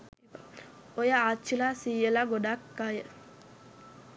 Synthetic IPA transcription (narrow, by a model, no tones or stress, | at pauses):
ɔjaat͡ʃilasijɛlaɡɔdakːaja